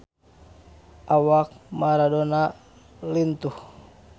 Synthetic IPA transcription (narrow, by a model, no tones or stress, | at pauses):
ʔawak̚maɾadɔna | lint̪uh